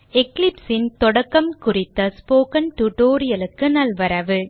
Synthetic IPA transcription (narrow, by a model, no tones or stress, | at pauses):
ɛklɪpsɪnt̪ɔɽɐkːɐmkʊrɪt̪ːɐspoːkɐnʈuʈoːɾɪjɐlɯkːɯnɐlʋɐɾɐʋɯ